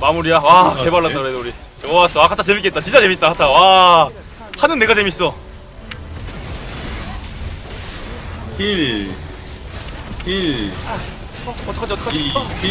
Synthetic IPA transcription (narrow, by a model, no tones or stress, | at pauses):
mamuɾiawakebaɭːatt͈ːakɯɾedouɾi | t͡ɕeas͈ʌwakʰatʰat͡ɕe̞mik͈e̞t͈̚at͡ɕint͡ɕ͈at͡ɕe̞mit͈̚akʰatʰawa | hanɯnːe̞ɡat͡ɕe̞mis͈ʌ | kil | ki | ʌt͈ʰʌkʰad͡ʑiʌt͈ʰʌ̥kʰai